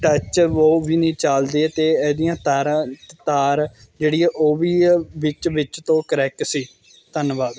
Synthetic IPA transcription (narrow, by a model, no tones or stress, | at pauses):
ʈət͡ʃoːʋiːnĩːt͡ʃaːld̪eːt̪eːɛːd̪ɪjãːt̪aɾt̪aːɾ | d͡ʒeːɽiːɛʔoːʋiːʋɪt͡ʃʋɪt͡ʃt̪õːkəɾɛːksiː | t̪ənʋaːd̪